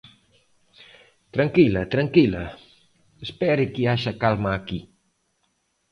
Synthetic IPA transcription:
t̪ɾaŋkilɐt̪ɾaŋkila | espɛɾɪkiaʃakalmaːki

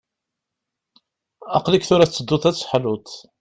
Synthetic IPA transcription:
ɑqlikθʊɾæt͡sːəd̪ːʊθæt͡sːħlʊt̪

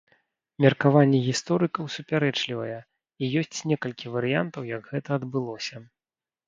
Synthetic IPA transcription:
mʲɛrkavanʲːɛɣʲist̪ɔɾɨkɐwsupʲaɾɛt͡ʂlʲivɐ̰jɛ | ijɔsʲt͡sʲnʲɛkɐlʲkʲivɐɾɨjant̪ɐwjɐɡɣɛt̪ɐːd̪bɨlˠɔsʲɐ

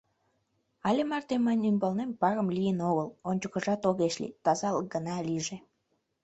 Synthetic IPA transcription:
ɑlʲemɑrt̪emɑjnʲymbɑlnempɑɣəmlijənoɣəlonʲt͡ɕəkə̆ʒɑt̪oɣeʃlḭt̪ɑzɑləɡənɑliʒe

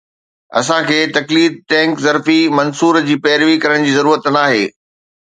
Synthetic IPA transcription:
ɐ̰sãkʰeːt̪ɐkliːd̪̚ʈɛ̃ːŋkzɐɾfimɐnsuːɾd͡ʑiːpɛːɾʋikɐɾəɽ̃d͡ʑiːzɐɾuːɾət̪naːɦeː

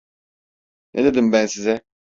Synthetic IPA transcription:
nʔed̪ed̪imbænsizɛ

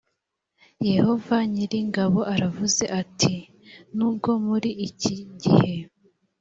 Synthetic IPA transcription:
je̞ho̞vaɲiɾiŋɡaβo̞ʔaɾavuze̞ʔatʰi | nuːb̚ɡo̞muɾiʔːciɟihe̞

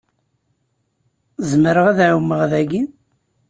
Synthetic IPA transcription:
zməɾəʁæðʕawmːəʁðæɡin

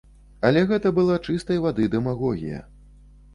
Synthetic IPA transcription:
ɐlʲɛɣɛt̪ɐbɨlˠat͡ʂɨst̪ɐjvad̪ɨd̪ɛmaɣɔɣʲḭjɐ̰

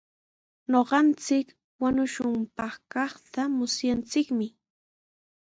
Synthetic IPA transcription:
noɢɑnt͡sɪk | waɲʊʃʊmpɑχkɑχt̪amʊsjant͡sɪkmɪ

